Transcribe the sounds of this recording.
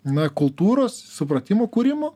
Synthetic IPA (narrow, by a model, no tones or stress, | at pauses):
nɐkʊlˠt̪uːɾoːssʊpɾɐt̪ʲɪmoːkuːɾʲɪmoː